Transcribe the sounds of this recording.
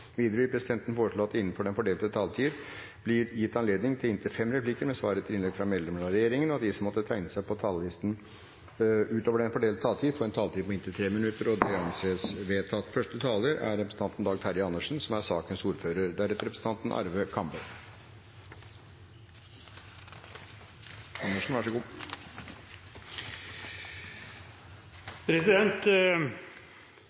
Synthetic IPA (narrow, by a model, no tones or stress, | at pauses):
ʋiːd̪əɾəɪpʰɾɛsɪd̪ɛnt̪n̩foːɾəʂɭoːɑt̪ːɪnːənfɔɖɛnfɔɖeːlt̪ət̪ʰɑːlt̪ʰiːɾ | b̥lɪɾjɪt̪ːɑnleːd̪nɪŋt̪ʰɪlɪnt̪ʰɪfɛmːɾɛpʰlɪkəɾmɛsʋɑ̰ːɾət̪ʰɪlɪnɛɡfɾɑmɛːləmɭɑɾɛjeːɾɪŋənɔɑt̪̚d̪ɪsɔmɔt̪ːət̪ʰæɪnəsæɪpʰɔt̪ʰɑləlɪst̪n̩ | ʉːt̪oːʋəɖɛnfɔɖeːlt̪t̪ʰɑːlt̪ʰiːfɔɛnt̪ʰɑːlt̪ʰiːpɔɪnt̪ət̪ʰɾeːmɪnʉt̪ːəɾɔd̪ɛɑnseːsʋeːt̪ʰɑt̪ːfœʂʈət̪ʰɑːləɾæ̰ɾːɛpɾsn̩t̪ɑnt̪n̩d̪ɑːɡt̪ʰæɾɪɑnːəʂn̩sɔmæɾsɑːkənsuːɾføːɾəɾd̪æɾɛt̪əɾɛpɾəsət̪ɑnt̪nʔɑ̰ɾʋəkʰɑmbəl | ɑnːəʂn̩ʋæʂɔɡuː | pʰɾɛsɪd̪ɛnt̪